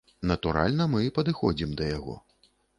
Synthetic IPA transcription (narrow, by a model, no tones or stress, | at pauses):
nɐt̪uɾa̰lʲnɐmɨpɐd̪ɨxɔd͡zʲimd̪ɐjaɣɔ̰